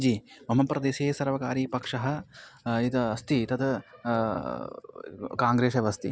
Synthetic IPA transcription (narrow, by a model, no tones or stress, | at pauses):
d͡ʒiːmɐmɐpɾɐd̪eːʃeːsɐɾʋɐkaːɾiːpɐkʂɐɦɐ̆it̪ɐɐst̪it̪ɐd̪ɐ | kaːŋɡɾeːʃɐʋɐst̪i